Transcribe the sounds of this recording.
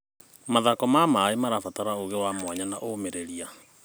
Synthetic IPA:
maðakɔmamaemaɾafataɾaoɣewamwaɲanaʔomeɾeɾia

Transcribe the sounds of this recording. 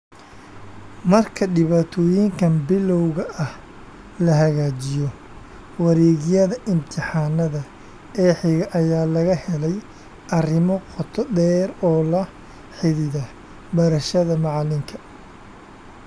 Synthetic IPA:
mɐrkʰɐɖɪβaːt̪ʰɔːjɪŋkʰɐnbɪlɔwɣɐʔɐh | lɐɦɐɣaːt͡ʃɪjɔ | wɑɾɛːɣɪjɐðɐʔɪmt̪ʰɪħɑːnɐðɐ | ɛːħɪɣɐʔɐjaːlɐɣɐhɛlɛj | ɐrɪmɔqʰɔt̪ʰɔd̪ɛːɾɔːlɐ | ħɪðɪðɐ | bɐɾɐʃɐðɐmɑʕɑlɪŋkʰɐ

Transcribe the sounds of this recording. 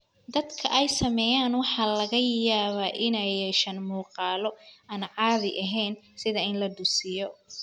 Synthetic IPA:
d̪ɐd̪kʰɐ̰ʔɛjsɐmɛjaːnwɑħɑːlɐɣɐjaːβaːʔɪnɛjɛʃɐnmuːqɑːlɔʔɐnʕɑːðɪʔɐɦɛjnsɪðɐɪnlɐd̪ʊsɪjɔ

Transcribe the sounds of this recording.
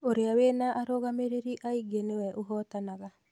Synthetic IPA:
oɾeawenaʔːɾɔɣameɾeɾiʔaiɡenewɛʔoɦɔtanaɣa

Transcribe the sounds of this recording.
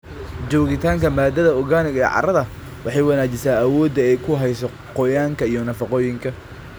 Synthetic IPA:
d͡ʒɔːɣɪt̪ʰaːŋkʰɐmaːd̪ɐðɐɔɣaːnɪɣɐɛ̰ʕɑ̰ɾɐðɐ | wʔɑħɑjwɑnaːt͡ʃɪsaːɐwɔːd̪ɐɛjkʰʊɦɛjsɔ | qɔjaːŋkʰɐijɔnɐfɑqɔːjɪŋkʰɐ

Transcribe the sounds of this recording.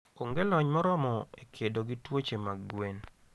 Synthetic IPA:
oŋɡelɔɲmɔɾɔmɔekʰedoɡitwot͡ʃemaɡɡwen

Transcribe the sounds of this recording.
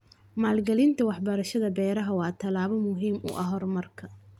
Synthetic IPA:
maːlɡɐlɪnt̪ʰɐwɑħbɐɾɐʃɐðɐbɛːɾɐɦɐwɑːt̪ʰɐlaːβɐmʊɦiːmʔʊ̰ʔɐɦɔrmɐrkʰɐ

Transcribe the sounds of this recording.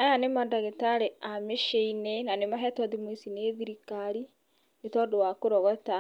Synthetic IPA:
ajanemadaɣetaɾeameʃeinenanemaɦɛtɔdimwesineðiɾikaɾi | netɔdowakoɾɔɣɔta

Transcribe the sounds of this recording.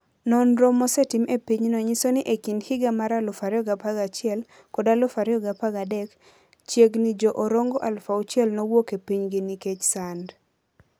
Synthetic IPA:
nɔnɾomɔsɛtimʔepiɲnɔɲisonɪʔekinhɪɡamaɾalʊfaɾɪɔɡapaɡat͡ʃɪɛl | kɔdalʊfaɾɪɔɡapaɡadɛk | t͡ʃjeɡnɪd͡ʒɔʔoɾoŋɡɔʔalfaʊt͡ʃjɛlnɔwokepiɲɡɪnɪket͡ʃsand

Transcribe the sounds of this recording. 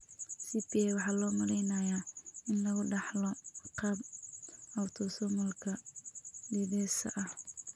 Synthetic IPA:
sitʰiɛwɑħɑːlɔːmɐɾɛjnajaɪnlɐɣʊɖɑħlɔqɑb | ɐwt̪ʰɔsɔmʊlkʰɐ | diːðɛːsɐ̰ʔɐh

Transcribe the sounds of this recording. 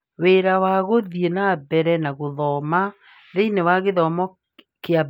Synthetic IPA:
weɾawaɣoðienaβɛɾɛnaɣoðɔma | ðeinewaɣeðɔmɔ | kea

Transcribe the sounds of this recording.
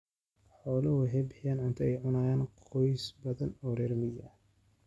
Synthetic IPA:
ħɔːlɐwɐħɪbħɪjɐːnʕʊnt̪ʰɐɛjʕʊnaːjaːnqʰɔjsbɐðɐnɔːɾɛɾmɪjɐ

